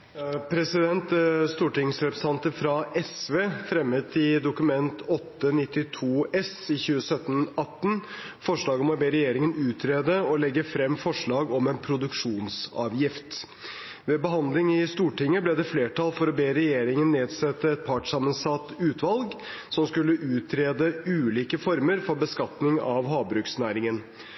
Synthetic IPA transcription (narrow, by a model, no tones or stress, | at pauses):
pʰɾɛsɪd̪ɛnt̪st̪uːʈɪŋsɾɛpɾɛsɑnt̪əfɾɑʔɛsʋeːfɾɛmːət̪ɪd̪ʊkʉmɛnt̪ʰɔt̪ːənɪt̪ːɪt̪ʰuːʔɛsɪçʉːəsœt̪ːənɑt̪ːn | fɔʂɭɑːɡəmɔbeːɾɛjeːɾɪŋənʉːt̪ʰɾeːd̪əɔlɛɡːəfɾɛmːfɔʂɭɑːɡɔmɛnpʰɾʊd̪ʉkʂuːnsɑ̰ːʋjɪft̪ | ʋɛbəɦɑnd̪lɪŋɪst̪uːʈɪŋːəblɛd̪ɛfleːʈʰɑlfɔɾɔbeːɾɛjeːɾɪŋənːeːd̪sɛt̪ːəɛt̪̚pʰɑʈʂɑːmənsɑt̪ːʉːt̪ʰʋɑlɡ | sɔmskʉlːəʔʉːt̪ʰɾeːd̪əʉːliːkəfɔɾməɾfɔɾbəskɑt̪nɪŋɑʋɦɑːbɾʉːksnæːɾɪŋən